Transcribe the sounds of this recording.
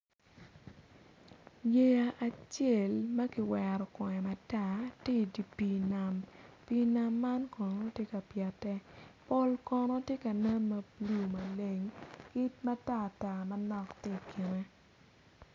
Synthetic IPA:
je˦a˨ʔa˨t͡ʃe˦˨lmɐ˦ki˨wɛ˨ɾɔ˨kɔ˨ɛ˨ma˨ta˦˨ti˦˨di˨pi˦na˨mpi˦na˦mːa˦nkɔ˨nɔ˦tje˦ka˨pjɛ˨tɛ˦po˦lkɔ˨nɔ˦tje˦kɐ˨nɛ˦mːɐ˨blu˦˨mɐ˨le˨ŋkɪ˦t̚ma˦ta˦˨ta˨mɐ˨nɔ˦ktɪ˦˨kɪ˨ne˦

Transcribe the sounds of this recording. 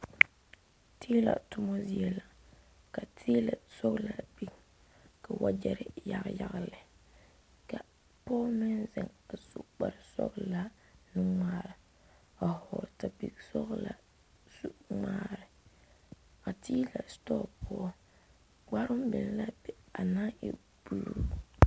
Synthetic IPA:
tʰiː˦la̰˨tʊ˦mɔ˦zi˦ɛ˨la˨ | ka˨tʰiː˦la˨sɔ˦ɣla˦bi˦˨k | ka˨wa˦d͡ʒɛ˨ɾɪ˦ja˨ɣja˦ɣlɪ˨ | ka˨ | pɔː˦mɪ˦nzɛ˨ŋa˨sʊ˦k͡pa˨ɾɪ˨sɔ̰˦kla˦ | nɪ˦ŋ͡maː˨˦˨ɾɪ˨ | a˨hɔː˨ta˨bḭ˨ksɔ̰˦ɡla̰˨ | su˦ŋaː˦ɾɪ˨ | a˨ti˦la̰˨stɔ˦pɔ˦ | ɡ͡ba˦ɾʊ˦mbɪ̰˨n˦la˦bɛ˨a˨na˦ʔɪ̰˨ | b̥u˨lṵ˦

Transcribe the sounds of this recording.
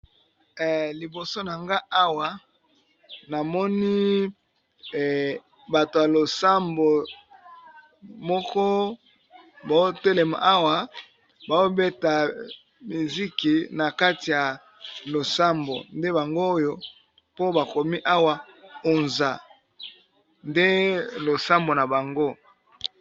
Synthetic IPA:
li˨bo˨so˦na˨ŋɡa˦a˦wa˨ | na˨mɔ˦ni˦˨ | ba˨to˨ja˨lo˨sa˦mbo˨ | mɔ˦kɔ˦ | ba˨˦o˦te˦le˨ma̰˨ʔa˦wa˨ | ba˨o˦be˦ta˨ | mi˨zi˦ki˨na˨ka˦ti˨ja˨ | lo˨sa˦mbo̰˨nde˦ba˨ŋɡoː˦jo˦ | po˦ba˨ko˨mi˦ʔa˦wa˨ | o˨nza˨ | nde˦lo˨sa˦mbo˨na˨ba˨ŋɡo˦

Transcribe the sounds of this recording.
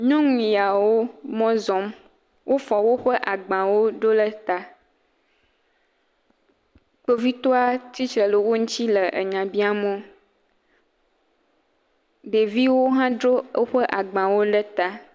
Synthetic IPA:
ɲɔ̃˦ŋũ˨ja˨wo˦mɔ̃˦zɔ̃˨˦m | wʔo˦fɔ˨wo˦ɸə˦ʔa˨ɡ͡bã˨wo˦ɖo˦lə˦t̪a˦ | k͡po˦vi˦t̪ɔ˦a˦t͡ɕi˦t͡ʃɾə˨lə˨wo˦ŋũ˦t͡ɕi˦lə˨ʔə˨ɲã˨bi˦a˦mõ˦ | ɖe˨vi˦wo˦ɦã˦dɾo˦ə˦ɸə˦ʔa˨ɡ͡bã˨wo˦ɖə˦t̪a˦

